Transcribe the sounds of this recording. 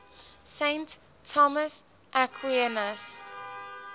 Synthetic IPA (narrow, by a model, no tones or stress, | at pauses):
sẽntʰː | ɔməs | ʔakʰwiɛnəs